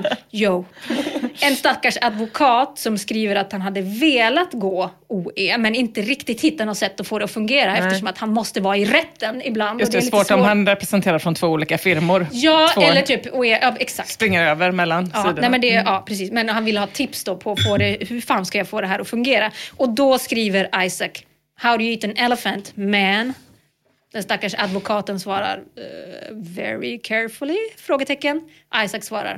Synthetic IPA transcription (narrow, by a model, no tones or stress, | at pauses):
jo | ɛnst̪akːaʂad̪vʊkʰɑːt̪sɔmskɾiːvəɾat̪hanɦad̪ːəveːlat̪ɡoː | uːeːmɛnɪnt̪əɾɪkt̪ɪɡt̪hɪt̪ːanɔt̪ːsɛt̪ːɔfoːd̪ɛɔfɵŋɡeːɾaɛft̪əʂɔmat̪hanmɔst̪əvɑːɪɾɛt̪ːənɪbland̪ɔlsvoːʈɔmhanɾɛpɾɛsɛnt̪ʰeːɾaɾfɾɔnt̪ʰvoːuːliːkafɪɾmʊɾjɑːɛlːəʈʰyːpɔɛʔɑːɛksak̚stpɾɪŋːəɾøːvəɾmɛlːanɑːiːd̪ɛmɛnd̪ɛʔɑːpʰɾɛs̬iːsmɛnhanvɪlːəhɑːt̪ʰɪpsd̪ɔːpʰɔfoːd̪ɛhɵɾfaːnskajɑfoːd̪ɛɦæːɾɔfɵŋɡeːɾaʔɔd̪ɔskɾiːvəɾajsak | hawɾjiːt̪ənɛlɛfənt̪mɛn | d̪̥ɛnst̪akːaʂad̪vʊkʰɑːt̪ənsvɑːɾa̰ɾ | vɛ̰ɹɪ̰kʰɛɹfʊlɪfɾoːɡət̪ʰɛkːən | ʔajsaksvɑːɾa̰ɾ